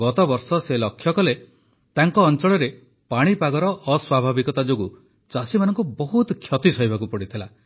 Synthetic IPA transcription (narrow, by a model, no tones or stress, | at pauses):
ɡɔt̪ɔbɔɾsɔselɔkʰːjɔkɔle | t̪aŋkɔːnt͡ʃɔɭɔɾe | paɽ̃ipaɡɔɾɔʔːswabʱabikɔt̪ad͡ʒoɡu | t͡ʃasimanɔŋkubɔɦut̪kʰjɔt̪isɔibakupɔɽit̪ʰila